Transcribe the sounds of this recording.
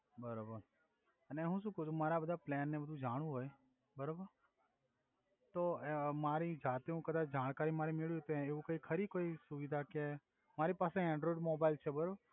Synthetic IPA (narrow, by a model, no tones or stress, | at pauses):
bəɾobəɾ | əneɦũʃ̬ũkəut͡ʃʰũmaɾabəd̪ʱaplɛnːebəd̪ʱũd͡ʒaɽ̃ũɦoj | bəɾobəɾ | t̪omaɾid͡ʒat̪iũkəd̪at͡ʃd͡ʒaɽ̃kaɾimaɾimeɭit̪eeʋũkəikʰəɾikoisuʋid̪ʱake | maɾipasẽɛ̃ɳɖɾoɖmobailt͡ʃʰebəɾobəɾ